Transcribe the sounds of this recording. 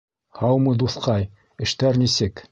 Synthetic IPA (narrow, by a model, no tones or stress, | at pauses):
hɑwmɤd̪uθqɑj | ɘ̆ʃt̪æɾnisɘk